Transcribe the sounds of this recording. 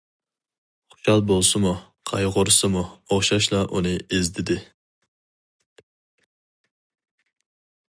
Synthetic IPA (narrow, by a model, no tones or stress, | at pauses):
χʊ̥ʃɑlˠbolˠsɨmu | qʰɑjʁʊɾsɨmuoχʃɑʃlˠɑʔunɨezt̪ʰɪd̪ɪ